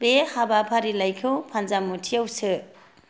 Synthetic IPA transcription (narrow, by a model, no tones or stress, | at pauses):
behabapʰaɾilajkʰɯwpʰanzamutʰiawsɯ